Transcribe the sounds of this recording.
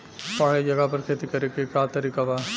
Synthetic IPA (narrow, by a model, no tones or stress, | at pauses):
paːɽed͡ʒɐɡapɐɾkʰeːt̪ikɐɾekekaːt̪ɐɾikaʋaː